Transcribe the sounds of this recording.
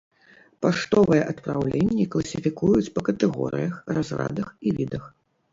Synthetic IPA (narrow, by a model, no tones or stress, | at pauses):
paʂt̪ɔvɨjɛʔɐt̪pɾawlʲenʲːiklˠɐsʲifʲikujut͡sʲpɐkɐt̪ɛɣɔ̰ɾɨ̰jɐxrazra̰d̪ɐxivʲid̪ɐx